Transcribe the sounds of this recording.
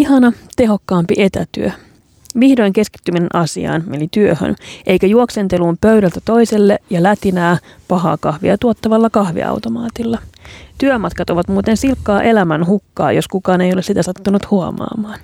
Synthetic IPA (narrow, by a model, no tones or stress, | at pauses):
ihɑnɑt̪e̞ɦo̞kːɑːmpiʔet̪æ̰t̪y̰ø | ʋihdo̞jŋke̞ski̥t̪ːyminenʔɑsḭɑ̰ːnmenit̪yøhø̰nʔe̞jkæjuoksent̪e̞luːmpøɥɾælt̪æt̪o̞jselːejɑlæt̪inæː | pɑɦɑ̰ːkɑhʋḭɑt̪uot̪ːɑʋɑlːɑkɑhʋḭɑ̰wt̪o̞mɑːt̪ilːɑt̪yømɑt̪kɑt̪o̞ʋɑt̪muːt̪ensilkːɑːʔe̞læmænɦukːɑ̰ːjo̞skukɑːne̞jo̞lesit̪æsɑt̪ːunut̪huɑmɑ̰ːmɑːn